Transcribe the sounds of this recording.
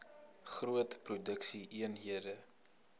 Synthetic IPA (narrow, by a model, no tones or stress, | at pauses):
χruətprudəksiʔiənɦiədə